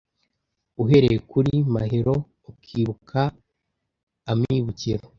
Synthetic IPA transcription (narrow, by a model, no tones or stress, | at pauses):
uɦe̞ɾejekuɾima̰ɦeɾo̞ː | kʰiːβukʰa | mɲiβuciɾo